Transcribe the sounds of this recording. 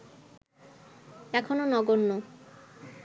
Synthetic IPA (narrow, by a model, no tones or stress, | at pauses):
ɛkʰononɔɡonːo